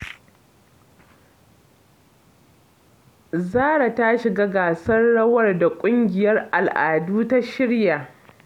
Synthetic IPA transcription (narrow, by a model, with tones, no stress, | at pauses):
zaː˦ɽa˨ta˦ʃɪ˨ɡaː˦ɡaː˨sɐ˦rɽɐ˦wɐ˦˨rda˨kʷʼʊ˦ŋɡʲɪ˨jɐ˦rʔa˨lʔaː˨duː˦ta˦ʃɪ˦ɽja˨